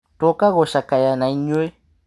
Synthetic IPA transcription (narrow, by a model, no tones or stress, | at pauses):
tokaɣoʃakajanãiɲoe